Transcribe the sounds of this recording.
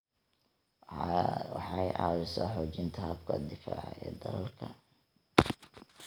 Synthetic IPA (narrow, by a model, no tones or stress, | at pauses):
wħɑjʔɑ̰ːɾɪsɔːħɔːt͡ʃɪnt̪ʰɐɐbkʰɐd̪ɪfa̰ːʕ̰ɛːd̪ɐlɐlkʰɐ